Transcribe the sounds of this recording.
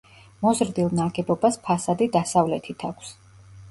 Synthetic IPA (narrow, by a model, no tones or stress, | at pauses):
mɔzɾd̪ilˠnaɡɛbɔbaspʰasad̪id̪asavlɛt̪ʰit̪ʰakʷʰs